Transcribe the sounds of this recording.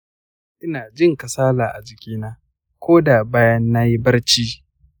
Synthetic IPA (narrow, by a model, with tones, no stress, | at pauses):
ʔɪ˦naː˨d͡ʒɪ˦˨ŋkɐ˨saː˦laː˨ʔa˨d͡ʒɪ˨kʲiː˦naː˦ | kʷoː˦da˨baː˦jɐ˦nːa˦ji˦bɐ˦rt͡ʃiː˦